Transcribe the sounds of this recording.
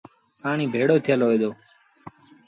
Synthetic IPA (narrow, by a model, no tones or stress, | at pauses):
paːɳ̃iːbʱeːɽoːt̪ʰjəlɦoːjd̪oː